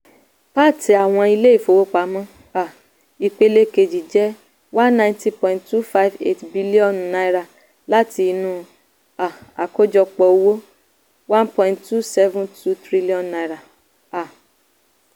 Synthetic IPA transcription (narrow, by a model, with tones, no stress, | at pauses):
pa˦˨ti˧a˨w̃ɔ̃˧i˧le˦i˦˨fo˨wo˦k͡pa˨˦mɔ̃˦ | a˨ | i˨k͡pe˧le˧ke˧d͡ʒi˨d͡ʒɛ˦ | wã˦nnã˧˦ĩ˦tĩ˦pɔ̃˧˨ĩ˨ttu˦fa˦i˨vḛ˦tbi˦li˦ɔ̃˨nna˧˦i˦ɾa˨ | la˦ti˧nũ˦ | a˨a˨ko˦d͡ʒɔ˧k͡pɔ˧˦wo˦ | wã˦npɔ̃˧˨ĩ˨ttu˦sɛ˦vũ˦tʰu˦tɾi˦li˦ɔ̃˦˨nːa˧i˨ɾa˨ | a˨